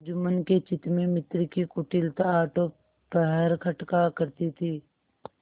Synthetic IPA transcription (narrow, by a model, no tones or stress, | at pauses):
d͡ʒʊmənket͡ʃɪt̪mẽmɪt̪ɾkikʊʈɪlt̪aːʈo | pəɦəɾkʰɐʈkakɐɾt̪it̪ʰiː